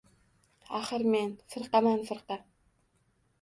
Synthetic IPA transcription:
aχɘɾmenfɨ̆ɾqɑmanfɨ̆ɾqɑ

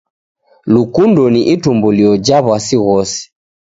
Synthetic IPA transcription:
lukundɔniʔitumbuliɔd͡ʒaβwasiɣɔsi̥

